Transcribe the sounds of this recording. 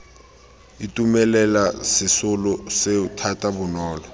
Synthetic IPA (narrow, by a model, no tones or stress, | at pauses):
itʼumɛlɛlasɪsʊlʊseutʰatʼabʊnɔːlɔ